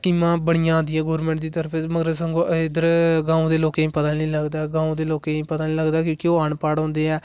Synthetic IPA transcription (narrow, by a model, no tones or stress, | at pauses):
kiːmãːbəɽijãːnd̪iːɛːɡoːɾmẽɳʈd̪iːt̪əɾəpʰeməɡɾəsəŋɡoːʔd̪əɾɡãːũːd̪eːloːkeːĩːpət̪ãːlĩːləɡd̪aːɡãːũd̪eːloːkeːĩːpət̪aːliːləɡd̪aːkjõːkioːaːɳpaːɽõːnd̪eːɛː